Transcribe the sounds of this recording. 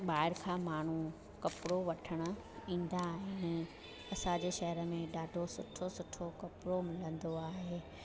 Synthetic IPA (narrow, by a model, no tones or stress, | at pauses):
ɓaːɪɾkʰãːmaːɳ̤ũ | kɐpɪɽoʋɐʈʰəɽ̃ʊ̆ | ĩːn̆d̪aɦɪn | ɐsãd͡ʑeːʃɐɦəɾəmẽɗaːɖʱosʊʈʰosʊʈʰokɐpɽomɪlə̃nd̪oaːɦeː